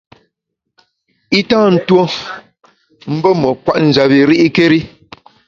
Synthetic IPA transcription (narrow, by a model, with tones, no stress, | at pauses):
i˦tãː˦n̩˨two˦ | m̩˦bɔ˦mɔ˨kwa˦˨ʔn̩˨d͡ʒa˨bi˨ɾi˦ʔi˦ke˦ɾi˦